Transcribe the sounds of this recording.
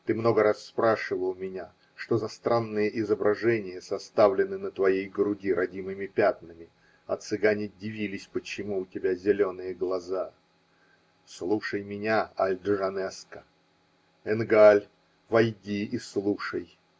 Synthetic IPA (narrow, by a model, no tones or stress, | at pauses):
t̪ɨmno̞ɡəɾasːpɾaʂɨvəlˠmʲɪnʲa | ʂt̪ozɐst̪ɾanːɨjəʔɪzəbɾʔɐʐɛnʲɪjəsɐst̪avlʲɪnɨnət̪vɐjejɡɾʊɡʲiɾɐdʲimɨmʲɪpʲat̪nɨmʲɪ | ɐ̰t̪sɨɡanʲɪdʲɪvʲilʲɪsʲpət͡ɕɪmuʊtʲɪbʲazʲɪlʲo̞nɨjəɡlˠɐza | slˠuʂəjmʲɪnʲaalʲd̪ʐɐnɛskə̥ | ɛnɡalʲ | vɐjdʲiislˠuʂəj